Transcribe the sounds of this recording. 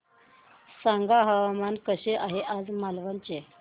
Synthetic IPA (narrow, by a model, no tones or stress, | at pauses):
saŋɡaɦəʋamankəɕeʔaɦeʔad͡zmalʋənt͡ɕe